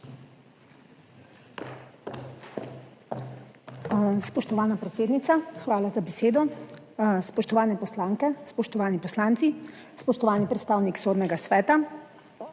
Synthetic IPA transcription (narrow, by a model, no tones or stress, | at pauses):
spɔʃt̪ɔʋaːnapɾɛt̪seːd̪nit̪saxʋaːlazabeseːd̪ɔ | spɔʃt̪ɔʋaːnɛpɔslaːŋkɛspɔʃt̪ɔʋaːnipɔslaːnt̪si | spɔʃt̪ɔʋaːnipɾɛt̪st̪aːwniksoːd̪nɛɡasʋɛːt̪a